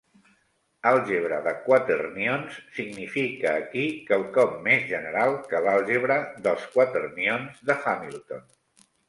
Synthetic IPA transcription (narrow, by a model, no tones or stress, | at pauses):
alˠʒeβɾəðəkwat̪ɾərnionsːiɡnifikəːkikəlˠkɔmːezʒənəɾalˠkəlalˠʒeβɾəðəlˠskwat̪ɾərnionzðəxamilˠt̪on